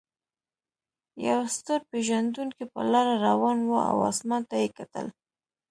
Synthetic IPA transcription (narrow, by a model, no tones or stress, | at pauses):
ja̰wst̪əɾpeʒand̪uŋkipə̰lɑɾaɾawɑnwoa̰wɑ̰smɑnt̪ajekat̪ə̰l